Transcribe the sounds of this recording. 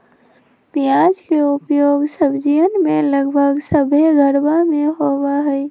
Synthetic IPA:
bijad͡ʒkeʊpjoːɡsəbd͡ʒiənmeləɡbʱəɡsəbʱeɡʱəɾbameɦobaɦəɪ

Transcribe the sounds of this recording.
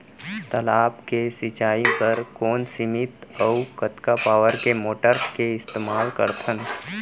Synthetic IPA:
t̪əlaːbkesɪt͡ʃaːipɐɾkɔːnsɪmɪt̪ɔwkət̪kapaːʋəɾkemoːʈəɾskeɪst̪eːmaːlkə̰ɾt̪ʰən

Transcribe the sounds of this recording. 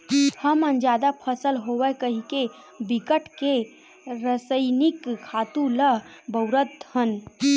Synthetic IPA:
həmənd͡ʒjad̪apʰəsəlɦoʋəkəɦike | bikəʈke | ɾəsəjnikkʰat̪uləbəwɾət̪hən

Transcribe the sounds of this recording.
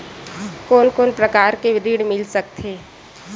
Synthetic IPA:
koːnkoːnpɾɐkaːɾkeʋɪɾiːɽmɪlsɐk̚t̪ʰeː

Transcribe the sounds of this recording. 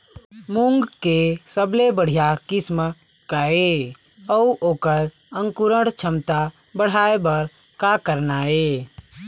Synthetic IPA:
muŋɡkesəblebəɽ̤ijakɪsm | kae | əuʔoːkəɾ | əŋkuɾəɽt͡ʃʰəmt̪a | bəɽ̤aebəɾ | kakəɾnaːe

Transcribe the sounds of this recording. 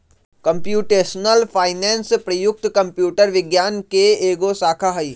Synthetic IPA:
kɐ̃mpjuːʈeːsnəlpʰaːɪnɛ̃ːnspɾɐjʊk̚t̪kɐ̃mpjuːʈəɾʋɪɡjaːnkeeːɡosaːkʰaɦɐi

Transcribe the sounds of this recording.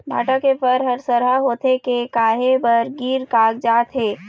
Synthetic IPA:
bʱa̰ːʈakepʰəɾɦəɾsəɾɦaɦoːt̪ʰekekaːɦebəɾɡiːɾkaːɡd͡ʒaːt̪ɦeː

